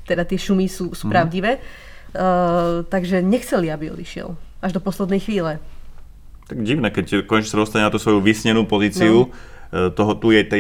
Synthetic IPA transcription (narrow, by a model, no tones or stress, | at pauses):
t̪ɛd̪at̪ɪɛʃumisuːsupɾaʊɟiʋɛː | t̪aɡʒɛɲɛxt͡sɛliabiɔ̰d̪iʃɪɛ̰laʒd̪ɔpɔslɛd̪nɛjxʋiːlɛ | t̪aɡɟiʊnɛkɛckɔɛt͡ʃsad̪ɔst̪aɲɛnat̪usʋɔjuʋisɲɛnuːpɔziːt͡siut̪ɔɦɔt̪ujɛt̪ɛ